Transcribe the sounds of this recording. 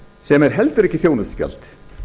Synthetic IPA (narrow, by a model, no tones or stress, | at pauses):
sɛmɛɾ̥ɦɛlt̪ʏɾɛhcːɪθjownast̪ca̰lt̪